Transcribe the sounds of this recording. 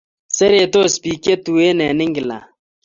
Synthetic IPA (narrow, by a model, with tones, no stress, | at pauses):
sɛ˦ɾe˨t̪o˦spi˨ke˦t̪u˨e˦nɛ˨nɪ˦ŋɡɪ˨la̰˨